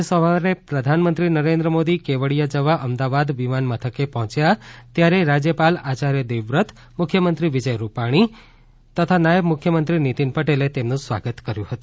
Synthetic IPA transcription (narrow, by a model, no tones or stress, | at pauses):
sɔ̃ʋanepɾəd̪ʱanmənt̪ɾinəɾẽnd̪ɾəmod̪ikeʋəɽijad͡ʒəʋaʔəmd̪aʋad̪ʋimanmət̪ʰəkepɔɦɔ̃t͡ʃjat̪jaɾeɾad͡ʒjəpalat͡ʃaɾjəd̪eʋɾət̪ʰ | mʊkʰjəmənt̪ɾiʋid͡ʒəjɾupaɽ̃i | t̪ət̪ʰanajəbmʊkʰjəmənt̪ɾinit̪inpəʈelet̪emnũsʋa̰ɡət̪kəɾjũhət̪ũ